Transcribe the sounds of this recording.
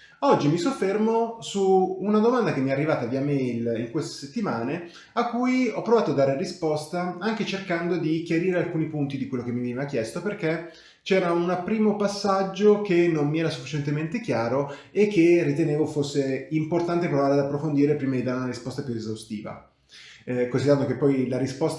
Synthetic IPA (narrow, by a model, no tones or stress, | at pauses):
ɔd͡ʒːimisofːermosuːnad̪omand̪akemːiɛrːivaːt̪aviamɛjliŋkwest̪e̥set̪ːimaːne | akːujɔpːɾovaːt̪oad̪ːaːɾerispɔst̪aaŋket͡ʃerkand̪od̪ikjaɾiːɾealkuːnipunt̪id̪ikwelːokemːivenivakjɛst̪operk̟e | t͡ʃɛːɾaunpɾiːmopasːad͡ʒːokenːommiɛːɾasufːit͡ʃɛnt̪ement̪ek̟jaːɾo | ekʰːerːit̪eneːvofosːeimport̪ant̪̬epɾovaːɾead̪apːɾofond̪iːɾepɾiːmad̪id̪aːɾeunaɾispɔst̪apjuezawst̪ḭːva̰ | konsid̪eɾand̪okepːɔjlaɾispɔst̪